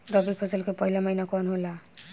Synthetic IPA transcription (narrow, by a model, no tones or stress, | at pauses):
ɾʌbilpʰɔsəlkepʌɦilamʌɦjnakɔnɦola